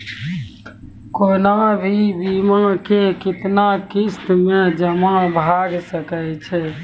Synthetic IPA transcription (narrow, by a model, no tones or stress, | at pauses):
konabʱibimə̃kekɪt̪nakist̪med͡ʒəmabʱaɡsəkət͡ʃʰɛ